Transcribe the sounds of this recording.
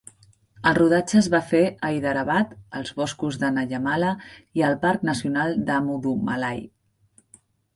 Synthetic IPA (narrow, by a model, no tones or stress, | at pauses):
əlˠruð̞ad͡ʒəːzβafeəiðəɾəβat̪əlˠzβɔskuzðənəʎəmaləiəlˠpaɾknəsiunalˠd̪əmuðuməlaj